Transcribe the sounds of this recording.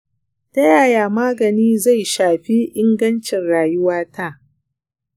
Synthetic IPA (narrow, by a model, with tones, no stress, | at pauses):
tɐ˦jaː˦˨jaː˨maː˦ɡɐ˨niː˦za˦˨jʃaː˨ɸi˦ʔɪ˦ŋɡɐ˦nt͡ʃɪ˨nɽaː˨jʊ˦waː˦tʰa˦˨